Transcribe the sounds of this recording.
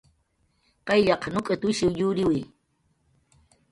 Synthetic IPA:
qɑjʎɑqnʊkʼat̪ʊʃɪwjʊɾɪwɪj

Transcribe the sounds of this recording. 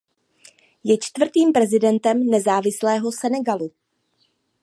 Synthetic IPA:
jɛt͡ʃt̪vr̩t̪iːmpɾɛzɪdɛnt̪ɛmnɛzaːvɪslɛːɦo̞sɛnɛɡalu

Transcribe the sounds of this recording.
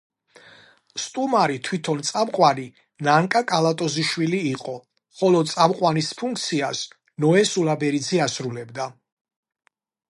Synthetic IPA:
st̪ʼumaɾit̪ʰwit̪ʰɔnt̪sʼamqʼwani | naŋkʼakʼalat̪ʼɔziʃwiliːqʼɔ | χɔlɔt̪sʼamqʼwanispʰuŋk̚ʰt̪sʰias | nɔɛsulabɛɾid̪zɛasɾulɛbd̪a

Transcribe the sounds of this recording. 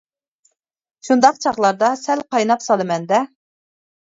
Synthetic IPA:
ʃund̪ɑq̚t͡ʃʰɑχlˠɑɾd̪ɑsɛlqʰɑjnɑpsɑlˠɨmɛnd̪ɛ

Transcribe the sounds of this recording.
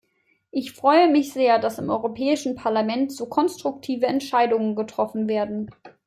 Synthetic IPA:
ʔɪçfʁ̥ɔʏəmɪçz̥eːɐdasɪmʔɔʏʁopʰɛːɪʃn̩pʰaɐlamɛntz̥oːkʰɔnstʁ̥ʊk̚tʰiːvəɛntʃaɪdʊŋənɡətʁ̥ɔfn̩veːɐdn̩

